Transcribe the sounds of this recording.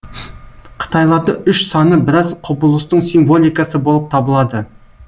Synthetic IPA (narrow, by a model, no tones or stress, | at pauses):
qʰə̥t̪ɑjlˠɑɾd̪əʔʏʃsɑnəbɪɾɑzqʰʊbʊlˠəst̪əɴsiɱvo̞lʲˠijkɑsəbo̞lˠəp̚t̪ʰɑbəlˠɑd̪ə